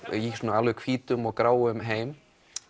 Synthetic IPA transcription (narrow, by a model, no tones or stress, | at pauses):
jisnaːlʏkʰviːt̪ʏmɔɣkɾaːwʏmɦeːjm